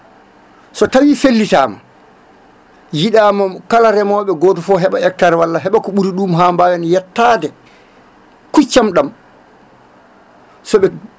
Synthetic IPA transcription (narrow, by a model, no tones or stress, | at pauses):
sɔtawiːfelːitaːma̰ | jiɗaːmɔkalaɾɛmɔːɓɛɡɔːtɔfɔɦɛɓaɛk̚taɾwalːaɦɛɓakuɓuɾiɗuːmɦaːmbaːwanjɛtːaːdɛ | kut͡ʃːamɗam | sɔɓɛ